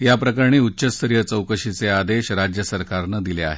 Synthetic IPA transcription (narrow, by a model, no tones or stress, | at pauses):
japɾəkəɾɳ̃iːutːɕəst̪əɾijət͡səwkəɕit͡sead̪eɕɾad͡ʑjəsəɾkaɾnəd̪ilea̰ɦe